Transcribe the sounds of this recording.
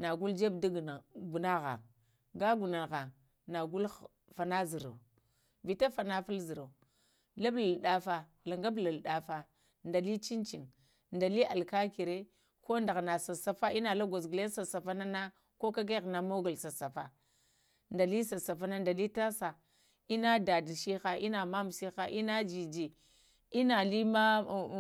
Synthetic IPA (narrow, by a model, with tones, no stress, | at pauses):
na˨ɡu˦ld͡ʒe˦bda˦ɡɡu˨na˦ɣa̰˨ŋ | ɡa˦ɡu˨na˨ɣa˨ŋ | na˨ɡu˦l | fa˨na˦zi˨ɾa̰˨ | vi˨ta˦fa˨na˦fa˦lzi˨ɾa˨ | la˦bla˨lɗa˦fa˨ | la˨ŋɡa˦bla˨lɗa˨fa˨ | nda˨li˦t͡ʃi˦nt͡ʃi˨ŋ | nda˨li˦a˨lka˦ki˨ɾe˦ | ko˦nda˨ɣna˨sa˨sa˨fa˦i˦na˨la˦ɡʷa˨zɡle˦sa˨sa˨fa˦na˦na˦ | ko˦ka˦ɡa˦ɣna˨mo˦ɡu˨lsa˨sa˨fa˨ | nda˨li˦sa˨sa˨fa˦na˦nda˨li˦ta˦sa˨ | i˦na˦da˨dʃi˦xa˨ʔi˦na˨ma˦m˨si˦xa˨ʔi˦na˦d͡ʒi˨d͡ʒi˨ | i˦na˨li˦ma˦